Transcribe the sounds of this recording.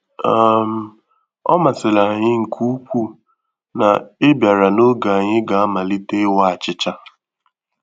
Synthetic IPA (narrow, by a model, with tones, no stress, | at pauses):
a˦m̩˨ | ɔ̰˦ma˨sɪ˨la˨ɲɪ˦ŋ̩˨kʰu˦kʷu˦˨ | na̰˨e˦bja˨ɾa˨no˦ɡa˨a˨ɲɪ˦ɡa˨a˦ma˨li˦te˦wa˦a˨t͡ʃɪ˦t͡ʃa˦